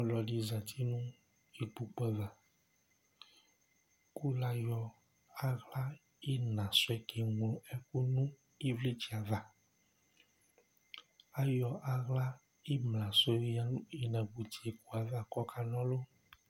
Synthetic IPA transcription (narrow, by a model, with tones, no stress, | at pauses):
ɔ̃˦lɔ˨ɖi˦zã˨t̪ʰi˦nũ˦ | i˨k͡pu˨k͡pɛ˦va˨ | ku˦la˦jɔ˦ | a˦ɣla˦ | i˦nã˨so˦ɛ˦ke˨ŋɔ̃˨ɛ˦ku˦nũ˦ | i˦vle˦t͡ʃi˨a˨va˨ | a˦jɔ˨ʔa˨ɣla˦ | i˦mlã˨so˦ja˦nũ˦i˦nã˨ɡ͡bu˨t̪i˨e˨ku˨a˨va˦kɔ˦kʰa˦nɔ̃˦lo˦